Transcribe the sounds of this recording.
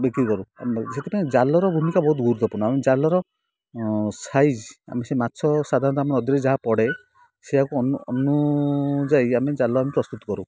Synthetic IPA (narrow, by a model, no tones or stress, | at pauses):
bekɾikɔɾuset̪epãed͡ʒalɔɾɔbʱumikabɔɦut̪ɡʱuɾut̪ʰɔpɔñamed͡ʒalɔɾɔ | sajd͡ʒa̰mesemat̪ːsʰɔsad̪ʱaɾɔnt̪amɔnɔd̪jɔɾed͡ʒaɦapɔɽe | seɦakuɔuɔnu | d͡ʒajamed͡ʒalɔamipɾɔst̪ut̪ɔ̥kɔɾu